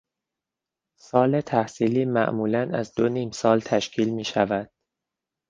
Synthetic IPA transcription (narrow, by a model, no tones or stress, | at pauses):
sɒːlet̪ʰæhsiːliːmæ̰ʔmuːlænæzd̪oniːmsɒːlt̪ʰæʃcʰiːlmiːʃævæd̪̥